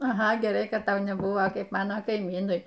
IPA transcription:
ɐˈɣɐ ɡʲɛˈrɐɪ kɐt ˈtɐʊ nʲɛˈbuɔ ˈkɐɪp ˈmɑːnoː kɐɪˈmʲiːnʊɪ

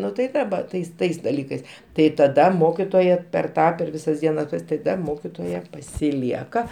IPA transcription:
ˈnʊ tɐɪ ˈʋɐ ˈtɐɪs ˈtɐɪs dɐˈlʲiːkɐɪs tɐɪ tɐˈdɐ ˈmoːkʲɪtoːjɛ pʲɛr ˈtɑː pʲɛr ˈʋʲɪsɐs ˈdʲiɛnɐs tɐˈdɐ ˈmoːkʲɪtoːjɛ pɐsʲɪˈlʲiɛkɐ

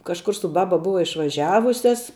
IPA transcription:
kɐʃˈkʊr sʊ ˈbɑːbɐ ˈbʊʋɐ ɪʃʋɐˈʒʲæːʋʊsʲɛs

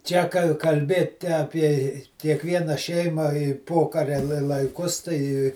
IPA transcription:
ˈt͡ʃʲɛ kɐ kɐlʲˈbʲeːtʲɪ ɐpʲiɛ ɪ kʲiɛkˈʋʲiɛnɐ ˈʃʲɛɪmɐ ɪ ˈpoːkɐrʲɛ lˠɐ lˠɐɪˈkʊs tɐɪ

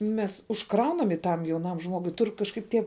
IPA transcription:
ˈmʲɛs ʊʃˈkrɐʊnɐm ɪ ˈtɐm jɛʊˈnɐm ˈʒmoːɡʊɪ ˈtʊr kɐʃˈkɐɪp ˈtʲiɛ

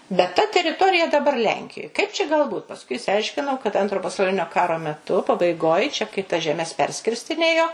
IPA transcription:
bʲɛt tɐ tʲɛrʲɪˈtoːrʲɪjɛ dɐˈbɐr ˈlʲɛŋʲkʲɪjoːj ˈkɐɪp t͡ʃʲɛ ɡɐlˠ ˈbuːt pɐsˈkʊɪ ɪʃʲsʲɪˈɐɪʃʲkʲɪnɐʊ kɐt ˈɐntroː pɐsɐʊˈlʲɪnʲoː ˈkɑːroː mʲɛˈtʊ pɐbɐɪˈɡoːj t͡ʃʲɛ kɐɪ tɐs ʒʲɛˈmʲɛs ˈpʲɛrʲsʲkʲɪrʲsʲtʲɪnʲeːjoː

